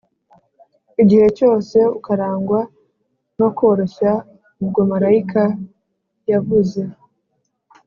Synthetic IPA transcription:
iɟihe̞co̞ːse̞ukaɾaːŋɡwa | no̞ko̞ɾo̞ʃa | ub̚ɡomaɾaika | javuze̞

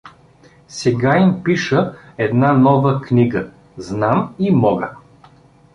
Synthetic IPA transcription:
sɛɡaimpiʃə | ɛd̪nanɔvəkniɡə | znamimɔɡə̰

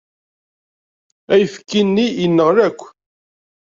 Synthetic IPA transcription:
æjəfə̥kːinːiənːəʁɾækʷː

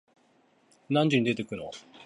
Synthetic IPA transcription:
nãɲ̟d͡ʑɨɲ̟id̪e̞t̪e̞kɯ̟no

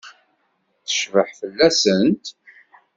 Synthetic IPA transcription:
θə̥ʃvəħfəlːæsənt̪

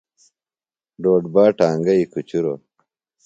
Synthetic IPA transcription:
ɖoːɖbaːʈaːŋɡɐikut͡ɕuɾo̰

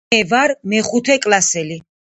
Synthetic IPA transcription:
ɛvaɾmɛχut̪ʰɛkʼlasɛli

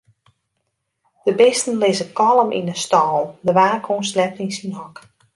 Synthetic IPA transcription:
d̥əbɪstən̩lɪzəkɔlˠəmʔḭnəstɔːlˠdəʋaːkʰonslɛp̚tinsinɦɔk

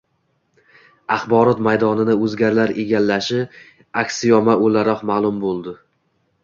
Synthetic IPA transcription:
aχbɒɾɒt̪majd̪ɒnɪnɪɵzɡʲaɾlaɾeɡʲalːaʃɪ | akʲsɪjɒmaʔolaɾɒqmaːlˠʊmbolˠd̪ɪ

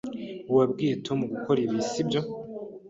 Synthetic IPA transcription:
uwabɡiːtʰo̞muɡukʰo̞ɾiβisibjo̞

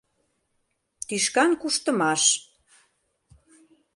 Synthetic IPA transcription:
t̪yʃkɑnkuʃt̪ə̆mɑʃ

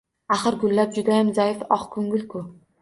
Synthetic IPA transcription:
aχɨɾɡʊlːap̚d͡ʒʊd̪ajamzaɪfɒχkʰʊŋɡʲɪlkʰʊ

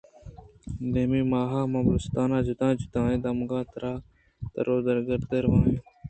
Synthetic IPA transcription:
d̪eːmiːmaːɦaːmãːbʊst̪aːnãːd͡ʒʊt̪ãːd͡ʒut̪ãːẽːd̪ɐmɡãːt̪ɾaː | t̪ɐ̰ɾoːd̪əɾɡəɾd̪əɾʋãːjeː

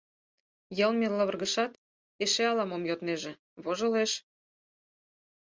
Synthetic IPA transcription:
jɤlmeləβərɣə̆ʃɑt̪ | eʃeɑlɑmomjot̪neʒĕ | βoʒɤ̆leʃ

